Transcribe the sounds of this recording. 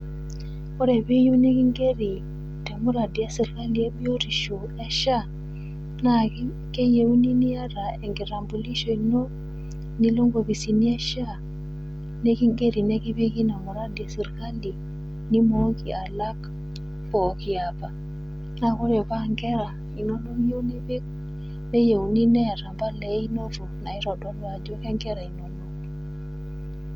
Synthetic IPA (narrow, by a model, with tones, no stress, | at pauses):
kɔ˦ɾɛ˨bi˦ju˦ni˦ki˦ŋɡe˦ɾi˨ | tɛ˨mu˦ɾa˨di˨a˦si˨ɾka˦li˨e˦bi˦o˦ɾi˨ʃo˨ | ɛ˦ʃa˦ | na˦˨˦ | ke˦je˨u˦ni˦ni˦a˦ɾa˨ɛ˨ŋɡi˨ɾa˨mbu˨li˦ʃo˨i˨nɔ˦ | ni˦lo˦ŋɡo˨βi˨si˨ni˦ɛ˦ʃa˦ | ne˦ki˦ŋɡe˦ɾi˨nɛ˦ki˦βi˦ki˦na˨mu˨ɾa˦di˨a˨si˨ɾka˦li˨ | ni˦mo˦ki˨a˨la˦k | pɔː˨ki˨apa˨ | na˦kɔ˦ɾɛ˨pa˦ŋɡɛ˦ɾa˨ | i˨nɔ˦nɔ˦ŋje˦wnɛ˦be˦k̚ | ne˦je˨u˨ni˦nɛ˦a˨ɾa˨mba˦lɛ˨˦i˦no˦ɾu˨na˨i˦ɾɔ˨dɔ˦ni˦wa˨d͡ʒɔ˦kɛ˦ŋɡɛ˦ɾa˨i˨nɔ˦nɔ˦